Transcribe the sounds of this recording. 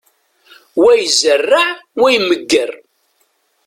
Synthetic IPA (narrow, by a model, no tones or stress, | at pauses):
wæjzərːaʕwæjməɡːər